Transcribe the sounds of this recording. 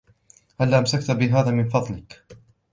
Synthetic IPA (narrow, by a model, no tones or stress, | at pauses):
halːaːʔamsakt̪bɪɦaːðaːmɪnfɑðˤlɪk